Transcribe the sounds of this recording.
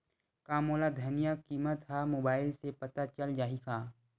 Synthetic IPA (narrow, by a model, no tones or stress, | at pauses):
kaːmoːlad̪ʱɐnijakiːmət̪ɦamoːbaːɪlsepɐt̪at͡ʃəld͡ʒaːɦikʰaː